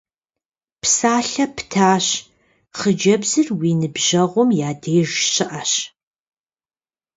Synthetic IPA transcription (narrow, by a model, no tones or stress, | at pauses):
psaːɬɐptʰaːɕ | χəd͡ʒɐbzɨrwiːnɨbʑɐʁʷɔmjaːdeːʒɕɪʔɐɕ